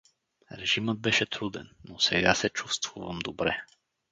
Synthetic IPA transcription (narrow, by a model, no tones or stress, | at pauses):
ɾɛʒimɤd̪̚bɛʃɛt̪ɾud̪ɛnːosɛɡasɛt͡ʃust̪vuvəmd̪obɾɛ